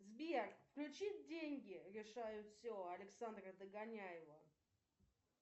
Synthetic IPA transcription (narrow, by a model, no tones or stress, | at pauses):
zbʲerkfklʲʉt͡ɕit̚ʲdʲenʲɡʲɪɾʲɪʂajʊt̪fsʲoɐlʲɪksand̪rəd̪əɡɐnʲajɪvə